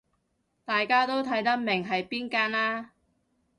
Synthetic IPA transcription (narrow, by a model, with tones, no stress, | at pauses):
t̪aː˨jkaː˥t̪o˥wt̪ʰɐ˨˥jt̪ɐ˥k̚mɪ˨˩ŋɦɐ˨jpiː˥nkaː˥naː˥